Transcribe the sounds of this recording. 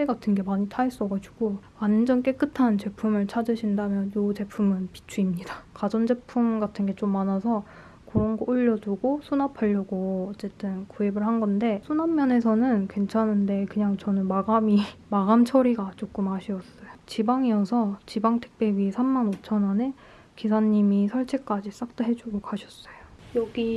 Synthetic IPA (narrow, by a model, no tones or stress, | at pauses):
t͈eɡatʰɯnɡe̞maɲitʰais͈ʌɡad͡ʑuɡ̥o | and͡ʑʌnk͈e̞k͈ɯtʰant͡ɕe̞pʰumɯɭt͡ɕʰad͡ʑɯɕʰindamjʌnjot͡ɕe̞pʰumɯnpi̥t͡ɕʰuimɲidakad͡ʑʌnd͡ʑe̞pʰumɡatʰɯnɡe̞t͡ɕ͈omːanasʰʌ | kɯɾʌnɡʌoʎːʌduɡosʰunapʰaʎːʌɡoʌt͡ɕ͈e̞t͈ɯnkoibɯɭɦanɡʌnde̞sʰunammjʌne̞sʰʌnɯnkwe̞nt͡ɕʰanɯnde̞kɯɲaŋt͡ɕʌnɯnmaɡamimaɡamt͡ɕʰʌɾiɡat͡ɕ͈ok͈ɯmɦaɕʰiʌs͈ʌjot͡ɕibaŋiʌsʰʌt͡ɕibaŋtʰe̥k̚p͈e̞bisʰamːanot͡ɕʰʌnane̞ | kisʰaɲːimisʰʌɭt͡ɕʰek͈ad͡ʑis͈ak̚t͈oɦe̞d͡ʑuɡokaɕʰʌs͈ʌjojʌɡi